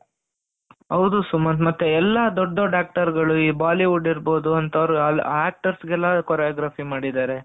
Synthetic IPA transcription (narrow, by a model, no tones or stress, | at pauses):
ɦɐwd̪usumɐmɐt̪ːeɛlːɐd̪ɔɖːoɖaːk̚ʈɐɾɡɐɭuiːbaːliʋuɖiɾbo̞ːd̪uɐnt̪ɐɾɐlːaːk̚ʈɐɾsɡɛlːakoːɾjaɡɾaːpʰimaːɽid̪aːɾe̞